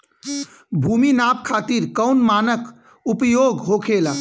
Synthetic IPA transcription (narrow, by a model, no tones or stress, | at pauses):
bʱuminap̚kʰat̪iɾkəʊnmanək | upjoɡɦokʰela